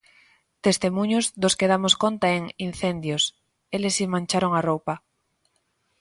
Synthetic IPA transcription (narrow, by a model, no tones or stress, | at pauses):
t̪est̪emũɲʊzd̪oskeð̞amoskont̪aeŋin̟θend̪jos | elesimãnʲt͡ʃaɾoŋarowpa